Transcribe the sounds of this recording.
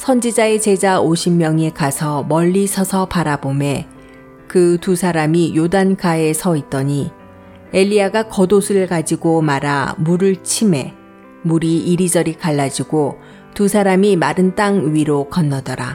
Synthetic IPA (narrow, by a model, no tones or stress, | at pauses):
sʰʌnd͡ʑid͡ʑae̞t͡ɕe̞d͡ʑaoɕʰimːjʌŋekasʰʌmʌʎːisʰʌsʰʌpaɾabome̞ | kɯtusʰaɾamijodankae̞sʰʌit̚t͈ʌɲi | eʎːiaɡakʌdosʰɯɾɯɭkad͡ʑiɡomaɾa̰muɾɯɭt͡ɕʰime̞ | muɾiiɾid͡ʑʌɾikaɭːad͡ʑiɡo | tusʰaɾamimaɾɯnt͈aŋɥiɾokʌnːʌdʌɾa̰